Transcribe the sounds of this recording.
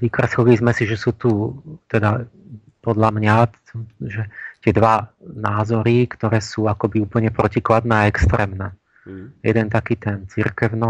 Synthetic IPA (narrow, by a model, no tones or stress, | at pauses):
ʋiːkɾasɔlizmɛsiʒɛsuːt̪ut̪ɛd̪a | pɔd̪ʎamɲa | ʒɛt̪ɪɛd̪ʋanaːzɔɾikt̪ɔɾɛːsuːakɔbiuːpl̩ɲɛpɾɔciklad̪nɛaɛkst̪ɾɛːmnɛː | jɛ̰d̪ɛnt̪akiːt̪ɛnt͡sḭɾkɛʊnɔ